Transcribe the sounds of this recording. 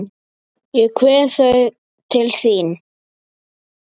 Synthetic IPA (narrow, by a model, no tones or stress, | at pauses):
jʏkʰvɛːθœɥ | t̪ʰɪlθiːn